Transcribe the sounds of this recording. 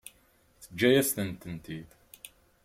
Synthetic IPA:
θəd͡ʒːæjæst̪ənt̪ənt̪ið

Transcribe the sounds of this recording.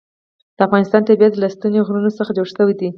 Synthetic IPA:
d̪̥əafɣɑnɪst̪ɑnt̪abjat̪ːlast̪ənoɣɾunosəxad͡ʒoɽsəwid̪i

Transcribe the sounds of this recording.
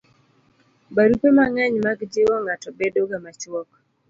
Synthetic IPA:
baɾupɛmaŋaɲmakd͡ʒɪwɔŋatɔbɛdɔɡamat͡ʃwɔk

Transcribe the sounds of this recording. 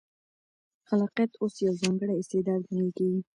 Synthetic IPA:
xalɑqijat̪osjawzɑŋɡəɽaɪst̪ed̪ɑd̪̚hanəlkawi

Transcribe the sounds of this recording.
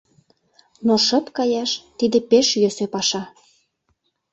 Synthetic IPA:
noʃə̆pkɑjɑʃt̪id̪ĕpeʃjøsepɑʃɑ

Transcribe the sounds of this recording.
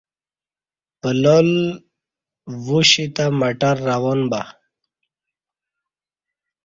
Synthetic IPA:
pəlol | wuɕit̪amaʈaɾːawonba

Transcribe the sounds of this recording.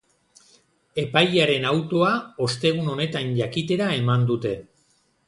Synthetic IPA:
e̞pajaɾe̞nawt̪o̞ao̞st̪e̞ɣ̞uno̞ne̞t̪anʝakit̪e̞ɾae̞mand̪ut̪e̞

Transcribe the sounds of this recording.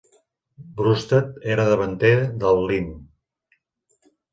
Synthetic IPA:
bɾust̪ət̪eɾəðəβənt̪eɾəðəlˠːin

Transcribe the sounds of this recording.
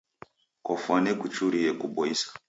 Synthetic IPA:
kɔfwanɛkut͡ʃuɾiɛkuɓɔisḁ

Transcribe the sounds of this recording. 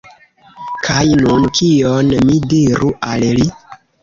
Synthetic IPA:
kʰajnunkʰionmidiɾuʔalli

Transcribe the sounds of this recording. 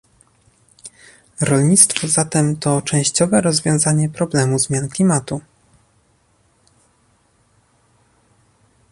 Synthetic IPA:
ɾɔlɲit̪st̪fɔzat̪ɛmt̪ɔt͡ʂɛ̃w̃ɕt͡ɕɔvɛɾɔzvʲjɔ̃w̃zaɲɛpɾɔblɛmuzmʲjanklʲimat̪u

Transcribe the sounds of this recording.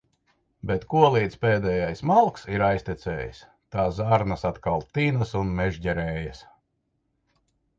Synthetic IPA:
bɛt̪kuɔlˠiːt̪speːd̪ɛːjajsmalˠksiɾajsʲt̪ʲit̪sʲɛ̰ːjḭs | t̪aːsaɾnasat̪kalˠt̪iːnasunmɛʒɟɛɾɛːjas

